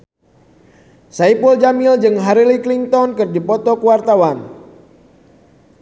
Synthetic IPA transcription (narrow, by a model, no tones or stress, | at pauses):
saipuld͡ʒamild͡ʒɨŋɦaɾilikliŋt̪ɔnkɨrdipɔt̪ɔkuwart̪awan